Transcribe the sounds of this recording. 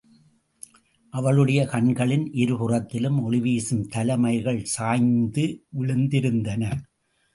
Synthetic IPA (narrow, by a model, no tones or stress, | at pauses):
ʔɐʋɐɭɯɽɐjɐkɐɳɡɐɭɪnʔɪɾɯpɯrɐt̪ːɪlɯmɔɭɪʋiːsɯmt̪ɐlɐmɐɪɣɐɭsaːjnd̪ɯʋɪɭɯnd̪ɪɾɯnd̪ɐnɐ